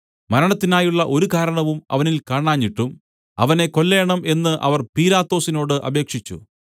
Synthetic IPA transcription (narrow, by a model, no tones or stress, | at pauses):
mɐɾɐɳɐt̪ːinaːjuɭːɐʔo̞ɾukaːɾɐɳɐʋumɐ̰ʋɐnilkaːɳaːɲːiʈːum | ɐ̰ʋɐne̞ko̞lːe̞ːɳɐme̞nːɨʔɐ̰ʋɐrpiːlaːt̪ːo̞ːsino̞ːɽɨʔɐ̰be̞ːkʂit͡ɕːṵ